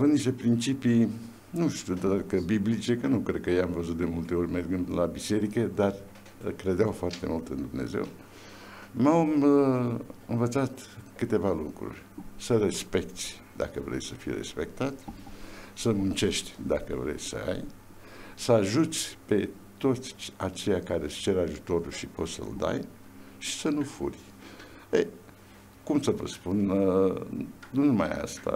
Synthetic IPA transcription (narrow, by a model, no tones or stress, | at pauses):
avɨnd̪niʃt̪e̞pɾint͡ʃipij | nuʃt̪iud̪akəbiblit͡ʃe̞kənukɾe̞d̪̚kəjejamvəzut̪̚d̪e̞mult̪e̞o̞rʲmerɡɨnd̪labise̞ɾikəd̪ar | kɾe̞d̪eawfoart̪e̞̰mult̪ɨnd̪umne̞̰ze̞̰w | mam | ɨnvət̪sat̪kɨt̪e̞valukɾṵrʲsəre̞spe̞kt̪sʲ | d̪a̰kəvɾe̞̰jsəfijeɾe̞̰spe̞k̚t̪at̪ | səmunt͡ʃe̞ʃt̪ʲd̪akəvɾe̞̰jsə̰a̰j | səaʒut̪sʲpe̞ | t̪o̞t̪sʲat͡ʃe̞jakaɾest͡ʃe̞ɾaʒut̪o̞ɾulʃipo̞t̪sə̰ld̪a̰j | ʃi̥sənufṵrʲ | ej | kumsəvə̰spun | nunuma̰ja̰st̪a̰